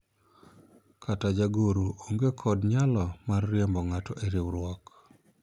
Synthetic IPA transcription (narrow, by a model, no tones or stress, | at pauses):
kʰatad͡ʒaɡoɾuoŋɡekʰɔdɲalɔmarːjɛmbɔŋatɔʔeɾiwɾwɔk